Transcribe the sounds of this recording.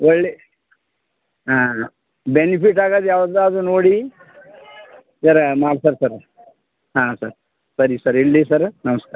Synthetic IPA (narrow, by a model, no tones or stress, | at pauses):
ʋəɭli | ɦã | benifiʈaɡad̪jaʋəɾd̪ad͡zuːnoɽi | sɐɾmalsəɾsəɾ | ɦãsəɾ | səɾisəɾiɽlisəɾnɐməska